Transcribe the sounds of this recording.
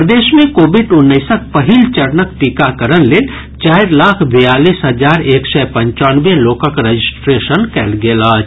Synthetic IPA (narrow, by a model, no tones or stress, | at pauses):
pɾəd̪eːʃmẽkoːbɪɖʊnːəɪsək̚pəɦilt͡ʃəɾnək̚ʈikakəɾənleːl | t͡ʃaːɪɾlaːkʰbijaːliːsɦəd͡ʒaːɾeːksɛpə̃ɲt͡ʃaːnʋẽloːkəkɾəd͡ʒɪsʈɾeːʃənkɛːlɡeːlaːd͡ʒ